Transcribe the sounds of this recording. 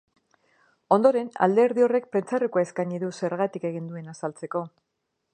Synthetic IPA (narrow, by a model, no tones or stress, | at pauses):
o̞nd̪o̞ɾe̞na̰ld̪e̞ɾðio̞re̞k̚pɾe̞nt͡sarekuae̞skaɲiðuse̞ɾɣat̪ike̞ɣ̞ind̪ue̞nasalt͡se̞ko̞